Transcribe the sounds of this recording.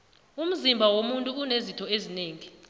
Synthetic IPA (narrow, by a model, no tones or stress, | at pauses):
um̩zimbʱawomuntʼuunezitʰɔezineːŋi